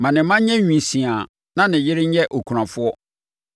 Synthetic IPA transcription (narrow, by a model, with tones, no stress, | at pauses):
mã˨nɪ̃˨˦mã˦ɲɛ̃˦ɲᶣĩ˨n˨sĩ˨a˨ | nã˦nɪ̃˨jɪ˦ɾɪ˦ɲ̩˦ɛ˦ʔo˨kʰu˨ɾã˨fʊ˦ɔ˦